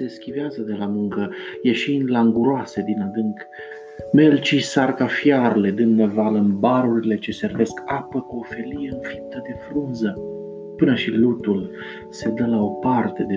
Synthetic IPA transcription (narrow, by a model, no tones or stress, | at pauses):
se̞skʲiveazəd̪e̞lamuŋkəje̞ʃind̪laŋɡuɾoase̞d̪inad̪ɨŋk | me̞lt͡ʃisarkafjarle̞d̪ɨnːevaləɨnbaɾuɾile̞t͡ʃe̞se̞rve̞skapəkuo̞fe̞lije̞ɨnfip̚t̪əd̪e̞fɾunzə | pɨnəʃilut̪ul | se̞d̪əlao̞part̪e̞d̪e